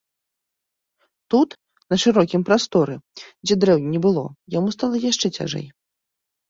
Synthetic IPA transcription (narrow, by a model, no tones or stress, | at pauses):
t̪ut̪ | nɐʂɨɾɔkʲimpɾast̪ɔɾɨd͡zʲɛd̪ɾɛwnʲinʲɛbɨlˠɔ̰jamust̪alˠɐjaʂt͡ʂɛt͡sʲa̰ʐɛ̰j